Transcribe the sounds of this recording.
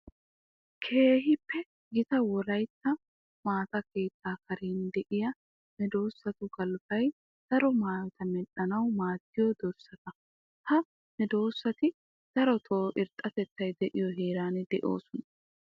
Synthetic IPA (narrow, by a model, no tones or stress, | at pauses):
kʰeːɦɪpːɛ | ɡɪt̪ɐwɔlɐjt̪ːɐ | maːt̪ɐke̞ːt̪ːaːkɐɾeːnd̪ɛʔɪjɐ | nɛd̪o̞ːsːɐt̪ʊɡɐlbɐj | d̪̥ɐɾɔmaːt̪ɐmɛᶑɐnɐwmaːt̪ːɪjɔd̪ɔɾsːɐt̪ɐ | t̪ɐ | nɛd̪o̞ːsːɐt̪ɪ | d̪̥ɐɾɔt̪ʰoːʔɪɾt̪ʼɐt̪ɛt̪ːɐjd̪ɛʔɪjɔɦeːɾaːnɛd̪ɛʔo̞̰ːsɔnɐ